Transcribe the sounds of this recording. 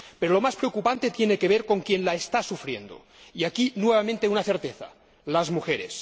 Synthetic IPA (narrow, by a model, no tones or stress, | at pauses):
peɾolo̞maspɾeokupant̪et̪jenekeβ̞eɾko̞ŋkje̞nlaest̪asufɾjḛnd̪o̰ | iakinweβ̞amẽnt̪eunaθeɾt̪eθa̰ | lazmuxeɾes